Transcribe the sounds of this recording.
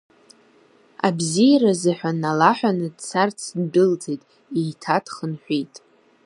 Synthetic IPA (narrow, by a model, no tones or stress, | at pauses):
a̰bzijarazɨħʷᶣanalaħʷᶣanɨdt͡sʰart͡sʰddɨld͡zejtʼ | ijtʰadχənħᶣʷijtʼ